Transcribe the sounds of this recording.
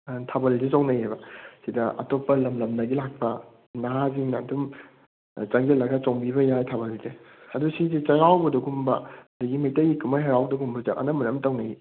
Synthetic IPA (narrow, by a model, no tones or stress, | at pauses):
tʰabɐlzezawnɐjɦejbɐsidɐʔɐ̰topːɐlɐmlɐmnɐɡilak̚pɐ | naɦaziŋnadum | t͡ʃɐŋɡelɐɡɐt͡ʃoŋbibɐjajtʰabɐlze | ɐdusizit͡ʃɐɾawbɐduɡumbɐ̰duɡimɐjtɐjikumajɦaɾawbdɐɡumbɐdɐʔɐ̰nɐmɐnɐmtɐwnɐji